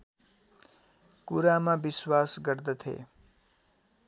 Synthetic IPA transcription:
kuɾamãbiswasɡəɾd̪ət̪ʰḛ

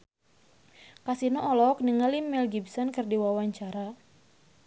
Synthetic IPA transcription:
kasinɔɔlɔk̚niŋalimːɛlɡibsɔnkɨrdiwawaɲt͡ʃaɾa

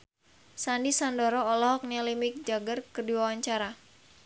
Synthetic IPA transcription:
sandisandɔɾɔːlɔɦɔk̚nalimik̚d͡ʒaɡərkərdiwawaɲt͡ʃaɾa

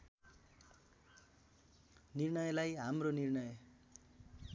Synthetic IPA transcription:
nirɳʌjlajɦamronirnʌj

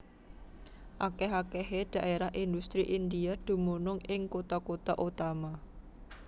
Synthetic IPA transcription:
ʔakeɦakeɦed̪̥ä̤ʔeɾahʔind̪ust̪ɾiʔind̪ijad̪̥ṳmonʊŋɪŋkot̪akot̪aʔut̪ama

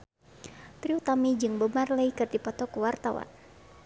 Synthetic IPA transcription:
t̪ɾiut̪amid͡ʒɨŋbəmarləikɨrd̪ipɔt̪ɔkuwart̪awa̰n

